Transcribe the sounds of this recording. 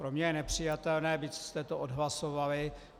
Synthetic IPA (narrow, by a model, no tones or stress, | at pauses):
pɾomɲɛjɛnɛpr̝̥ɪjat̪ɛlnɛːbit̪t͡sst̪ɛt̪oʔodɦlasovalɪ